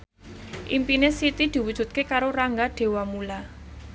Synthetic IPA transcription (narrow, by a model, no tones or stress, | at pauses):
ʔimpinesit̪id̪̥i̤wud̥ʒ̥ṳt̪̚kekaɾoraŋɡaɖ̥e̤wamula